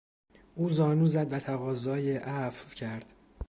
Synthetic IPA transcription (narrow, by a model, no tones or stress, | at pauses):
ʔuːzɒːnuːzæd̪væt̪ʰæɣɒːzɒːjeʔæfvcʰæɾd̪̥